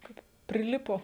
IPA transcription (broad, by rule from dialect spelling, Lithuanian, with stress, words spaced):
ˈkɐɪp pʲrʲɪˈlʲɪpoː